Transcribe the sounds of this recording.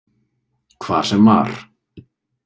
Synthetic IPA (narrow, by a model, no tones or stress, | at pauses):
kʰva̰̥ːsɛma̰ɾ̥